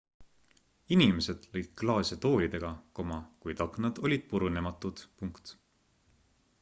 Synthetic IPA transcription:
inime̞se̞d̪̥lɤ̞jd̪̥̚klɑːsʲet̪o̞ːlʲid̪e̞ɡ̥ɑko̞mɑkujt̪ɑkˑnɑd̪̥o̞lʲid̪̥̚puɾune̞mɑt̪ːˑud̪̥puŋkt̪

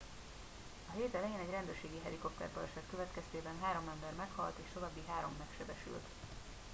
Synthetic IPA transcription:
ɒɦeːt̪ɛlɛjeːnɛɟrɛnd̪øːrʃeːɡiɦɛɾiko̞pt̪ɛ̰rp̪ɒ̰ɛʃɛt̪køvɛt̪kɛst̪eːbɛnɦaːɾo̞mɛmbɛrmɛkhɒ̰lt̪eːʃt̪o̞vaːbːiɦaːɾo̞mːɛkʃɛbɛʃy̰lt̪

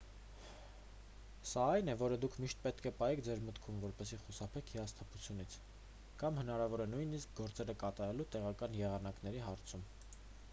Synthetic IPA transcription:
sɑɑjnɛvɔɾəd̪ukʰmiʃt̪̚pɛt̪kʰɛpɑjɛkʰd͡zɛɾmət̪kʰumvɔɾpɛsiχusɑpʰɛkʰhiɑst̪ʰɑpʰut͡sʰjunit͡sʰ | kɑmhənɑɾɑvɔɾɛnujnisk̚ɡɔɾt͡sɛɾəkɑt̪ɑɾɛlut̪ɛʁɑkɑnjɛʁɑnɑknɛɾiɦɑɾt͡sʰum

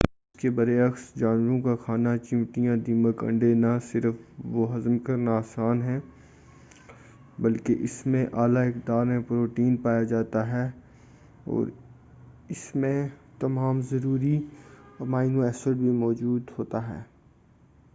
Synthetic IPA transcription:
ɪskebɐɾeɐxsd͡ʒaːnʋəɾõkaxʰaːnat͡ʃɪ̃ʋʈijãd̪iːməkɐ̰̃ɳɖenasɪɾəfʋoɦɐzəmkɐɾnaːsaːnɦɛ̃ː | bɐlkeʔɪsmẽʔaːlaɪkd̪aːɾmẽpɾoːʈiːnpaːjad͡ʒaːt̪aɦɛː | ɔ̰ːɾ | ɪsmẽt̪ɐmaːmzɐɾuːɾi | maːɪnoɛːsəɖbʱimɔːd͡ʒuːd̪ɦoːt̪aɦɛ̰ː

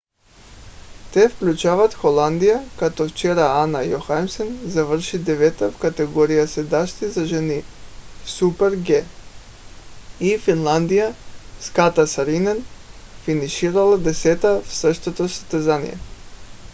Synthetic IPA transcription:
t̪ɛfklʲut͡ʃavat̪xolˠand̪ijakat̪oft͡ʃɛɾaanajoxamsɛnzavərʃid̪ɛvɛt̪afkat̪ɛɡɔɾijasɛd̪aʃt̪izaʒɛnifsupɛɾɡɛ | ifinlˠand̪ijaskat̪asaɾinɛn | finiʃiɾalˠad̪ɛsɛt̪afsəʃt̪ot̪osḁst̪ɛzanḭjɛ̰

